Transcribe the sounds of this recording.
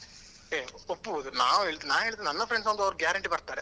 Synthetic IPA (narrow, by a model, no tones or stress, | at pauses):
eːopːuɐd̪una̰ːʋueɭd̪ɯnaːɦeːɭt̪d̪ːenɐnːɐfɾeɳɖsɐnd̪ɐʋɐɾɡjaːɾɐɳʈipɐɽt̪aːɾɛ